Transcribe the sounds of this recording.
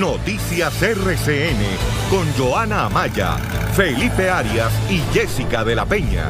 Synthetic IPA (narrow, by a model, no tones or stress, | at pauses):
no̞t̪isjasereseene̞ | ko̞nd͡ʒo̞anaːmaʝa̰ | fe̞lipe̞aɾjasiʝe̞sikaðe̞lape̞ɲa̰